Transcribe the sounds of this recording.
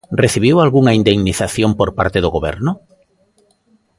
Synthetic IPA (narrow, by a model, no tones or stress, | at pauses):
reθiβ̞iwalɣuŋaind̪eŋniθaθjompoɾpa̰ɾt̪eðoɣoβɛ̰ɾnʊ